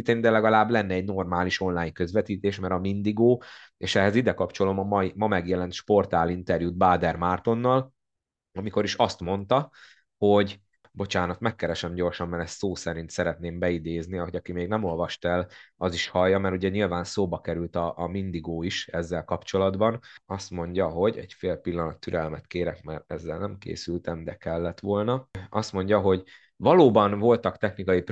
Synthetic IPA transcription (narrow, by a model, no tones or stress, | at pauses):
it̪ːeːnd̪ɛlɛɡɒlaːblɛnːɛːɟno̞rmaːliʃo̞nlaːjɲkø̞zʋɛt̪iːt̪eːʃmɛɾɒmind̪iɡoːeːʃɛɦɛzid̪ɛkɒpt͡ʃo̞lo̞mɒmɒmɒmɛɡjɛlɛnt̪ʃpo̞rt̪aːlint̪ɛrjud̪̚baːd̪ɛrmaːrt̪o̞nːɒl | ɒmiko̞ɾiʃɒst̪mo̞nt̪ɒ | ho̞ɟ | bo̞t͡ʃaːnɒt̪mɛkːɛɾɛʃɛmɟo̞rʃɒmːɛɾɛst̪soːsɛɾint̪sɛɾɛt̪neːmbɛid̪eːzniɒɦo̞ɟɒkimeːɡnɛmo̞lvɒʃt̪ɛlɒziʃhɒjːɒmɛɾuɟɛɲilvaːnsoːbɒkɛɾylt̪ɒʔːmind̪iɡoːiʃɛzːɛlkɒpt͡ʃo̞lɒd̪bɒnɒst̪mo̞ɲɟɒɦo̞ɟɛ̰ɟfeːlpilːɒnɒt̪ːyɾɛlmɛt̪keːɾɛkmɛɾɛzːɛlnɛmkḛːsylt̪ɛmd̪ɛkɛlːɛt̪ʋo̞lnɒɒst̪mo̞ɲɟɒɦo̞ɟ | vɒloːbɒnvo̞lt̪ɒkt̪ɛxnikɒjip